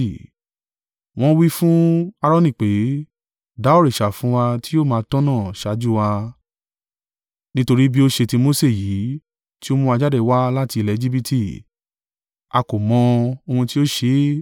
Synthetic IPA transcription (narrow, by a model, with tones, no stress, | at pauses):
w̃ɔ̃˦wi˦fũ˦a˧ɾɔ̃˦nĩ˦˨k͡pe˨˦ | da˨˦o˦ɾi˨ʃa˨fũ˨˦wa˧ti˦jo˦˨mãː˨˧˦tɔ̃˦nãː˦˨ʃa˨˦d͡ʒu˦wa˧ | nĩ˦to˧ɾi˦bi˦o˦ʃe˧ti˧mo˦se˦˨jiː˨˦ | ti˦o˦mũ˦a˧d͡ʒa˦dɛ˦˧wa˦la˦ti˧lɛ˧˦d͡ʒi˦bi˧tʰi˦˨ | a˧ko˨mɔ̃˨˧o˧hũ˧ti˦o˦ʃe˧˦